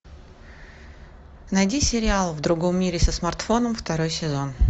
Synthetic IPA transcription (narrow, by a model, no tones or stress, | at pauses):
nɐjdʲisʲɪɾʲɪalˠvd̪ɾʊɡo̞mːʲiɾʲɪsəsmɐrt̪fo̞nəmft̪ɐɾo̞jsʲɪzo̞n